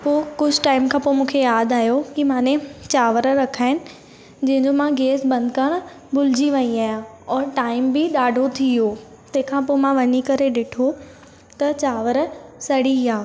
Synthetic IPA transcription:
poːkʊd͡ʑʱʈaːɪmkʰãːpoːmũːkʰejaːd̪aːɦjokimãːnẽt͡ɕaːʋəɾəɾɐkʰaːɦɪnɪ̆ | d͡ʑɐ̃ɦɪ̃ɲd͡ʑomãɡeːsbɐ̃nd̪ʱkɐɽ̃ | bʊlɪd͡ʑiʋɐ̃iaːjã | ɔːɾʈaːɪmbɪɗaːɖʱot̪ʰioː | t̪ɐ̃ɦɪ̃kʰãpoːmãʋɐnikɐɾeɗɪʈʰo | t̪ɐt͡ɕaːʋəɾsɐɽiaː

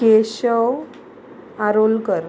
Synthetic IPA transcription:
keɕəw | aɾolɡəɾ

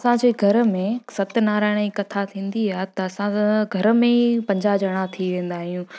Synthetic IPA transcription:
ɐsãd͡ʑeːɡʱɐɾmẽsɐt̪ɪnaːɾaːɪɽ̃ikɐt̪ʰat̪ʰĩːn̆d̪iaːɦet̪ɐːsãɡʱɐɾmẽpɐ̃ɲd͡ʑad͡ʑɐɽ̃ãt̪ʰiʋẽːn̆d̪aːɦijũ

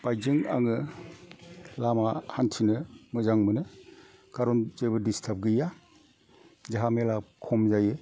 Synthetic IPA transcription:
b̥ajzɯŋa̰ŋɯ | lamahantʰinɯmɯzaŋmɯnɯ | ɡ̥aɾɔnzɯjbɯdistʰap̚ɡɯja | zaɦamelakʰɔmzajɯ

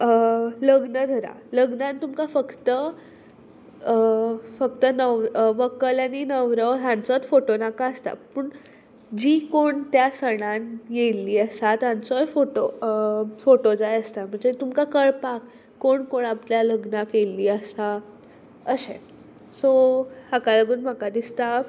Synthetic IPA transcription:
ləɡnəd̪ʱəɾa̰ | ləɡnãnt̪umkafəkt̪ə | fəkt̪ənəʋʋəkəlaninəʋɾəʋɦãnt͡sɔt̪foʈonakaəst̪a̰pəːɳ | d͡ʑiːkoɳt̪jasəɽ̃anjelːiːəsat̪ãnt͡sɔjfoʈo | foʈod͡zajəst̪am̤əɳd͡zet̪umkakəɭpakː | oɳkoɳapljaləɡnakeliːəsa | əɕḛn | sohakaləɡuːnm̤akad̪ist̪a

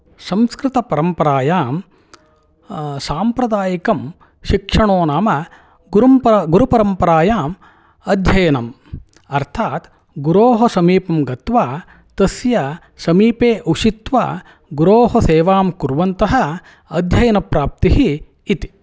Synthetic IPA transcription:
sɐ̃mskɾɪt̪ɐpɐɾɐmpɐɾaːjaːm | saːmpɾɐd̪aːjikɐm | ʃikʂɐɳoːnaːmɐ | ɡuɾɐmɡuɾupɐɾɐmpɐɾaːjaːm | ɐd̪ʱjɐjɐnɐm | ɐɾt̪ʰaːt̪ | ɡuɾoːɦɐsɐmiːpɐmɡɐt̪ʋaː | t̪ɐsjɐ | sɐmiːpeːʔuʃit̪ʋa̰ː | ɡuɾoːɦɐseːʋaːmkuɾʋɐnt̪ɐɦɐ̆ | ɐd̪ʱjɐjɐnɐpɾaːp̚t̪iɦiː | t̪i̥

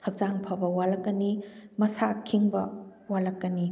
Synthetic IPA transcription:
hʰɐk̚t͡ʃaŋpʰɐbɐwalɐkːɐnimɐsakʰːiŋbɐwalɐkːɐni

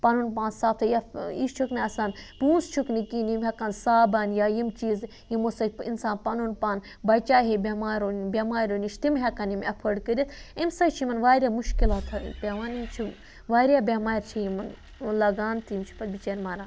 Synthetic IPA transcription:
pɐnunpaːnsaːp̚t̪ʰɐjaḭʃt͡ʃʰukniɐsaːnpuːnst͡ʃʰuknikinimɦɐkɐnsaːbɐnjaːjimt͡ʃiːz | jimosɐḭnsaːnpɐnunpaːn | bɐt͡ʃaːɦebʲemaːɾonbʲemaːɾoniʃt̪imɦʲɛkɐnimɐpʰəɖkəɾʲit̪ʰimsɐt͡ʃʰimɐnʋaːɾʲaːmuʃkilaːt̪ʰɐ̰pʲeʋaːnimt͡ʃʰi | ʋaːɾjaːbʲemaːiɾt͡ʃʰijimɐn | lɐɡaːnt̪imt͡ʃʰu̥pɐt̪bit͡ʃɐɾmaːɾaː

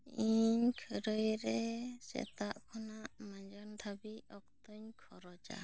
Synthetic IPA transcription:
iɲkʰəɾəjɾɛsɛ̰t̪aʔkʰɔnaʔmaɲd͡ʒɔnt̪ʰabiɔk̚t̪ɔɲkʰɔɾɔd͡ʒa̰

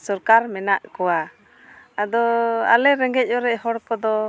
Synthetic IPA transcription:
sɔɾkaɾmɛnaʔkɔwa | ad̪ɔa̰lɛɾɛŋɡɛc̚ˀɔɾɛʔɦɔɽkɔd̪ɔ

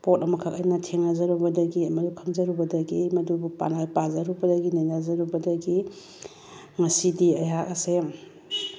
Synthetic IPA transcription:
pot̚ɐmɐkʰɐkɐjnɐtʰeŋnazɐɾubɐdɐɡiɐmɐdukʰɐŋzɐɾubɐdɐɡimɐdubupa̰najpazɐɾubɐdɐɡinajnazɐɾubɐdɐɡi | ŋɐsidiɐjakɐse

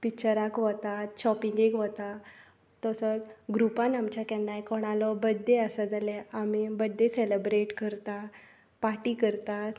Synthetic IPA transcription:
pikt͡ɕəɾakʋɔt̪at̪ɕɔpĩŋɡekʋɔt̪a | t̪ɔsəɡɾupãnamt͡ɕakɛnːajkɔɽ̃alɔbəd̪ʱːeəsəd͡zalɛamibəd̪ʱːeselebɾeʈkəɾt̪a | paʈikəɾt̪at̪

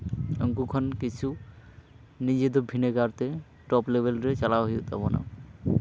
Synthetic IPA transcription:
əŋkukʰɔnkit͡ʃʰu | nid͡ʑed̪ɔbʱineɡaɾt̪e | ʈɔplebʱelɾet͡ʃalawɦijut̪a̰bɔna̰

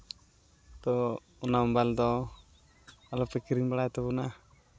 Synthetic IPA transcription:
t̪ɔ | unaɔbald̪ɔ | alɔpɛkiɾiŋbaɽajt̪ɛbuna

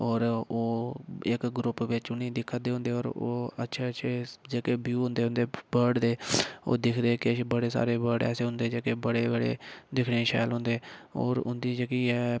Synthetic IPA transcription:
ɔːɾoːɪkɡɾʊpʋɪt͡ʃʊnĩːd̪ɪkʰːəd̪eːɦʊ̃nd̪eːɔːɾo̰ːə̰tːʃʰeːəʃʰeːd͡ʒeːkeːbjuːɦʊ̃nd̪eːɦʊ̃nd̪eːbəɾɖd̪eːo̰ːd̪ɪkʰd̪eːkebəɽeːsa̰ːɾeːbəɖɛ̰ːseːɦʊ̃nd̪eːd͡ʒeːkeːbəɽeːbəɽḛːd̪ɪkʰɳeːʃa̰ːlɦʊ̃nd̪eːɔ̰ːɾʊnd̪iːd͡ʒeːkiːɛː

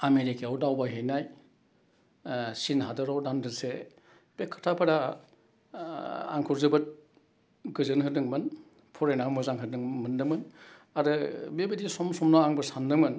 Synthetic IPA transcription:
ameɾikeawdawbaɦejnaj | sinɦadɯɾawdandɯse | pekʰːɯ̥tʰapʰaɾa | a̰ŋkʰuɾzɯbɯt̚ | ɡɯzɯnɦɯdɯŋmɯn | pʰɔɾenamɯzaŋɦɯɾdɯŋmɯndɯmɯnaɾɯbebidisɔmsɔmnaaŋbɯɾsandɯmɯn

